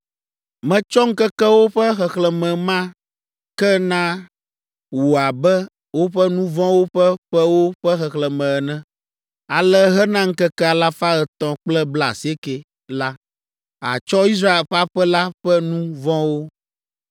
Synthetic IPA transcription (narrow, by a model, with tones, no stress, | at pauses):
mɛ̃˨t͡ʃɔ˦ŋ̩˦kɛ˦kɛ˦wo˦ɸɛ˦xɛ˨xlɛ˨mɛ̃˨mã˦ | kɛ˦nã˦ | wu˨a˨bɛ˦ | wo˦ɸɛ˦nũ˦vɔ̃˦wo˦ɸɛ˦ɸɛ˦wo˦ɸɛ˦xɛ˨xlɛ˨mɛ̃˨ɛ˨nɛ̃˦ | a˨lɛ˦ɦɛ˦nã˦ŋ̩˦kɛ˦kɛ˦a˨la˦fa˦ɛ˨t̪ɔ̃˨k͡plɛ˦bla˨si˨˦e˦kɛ˨ | la˦ | a̰˨t͡ʃɔ˦i˦s̬ɾa˦e˨lɸa˦ɸɛ˦la˦ɸɛ˦nũ˦vɔ̃˦wo˦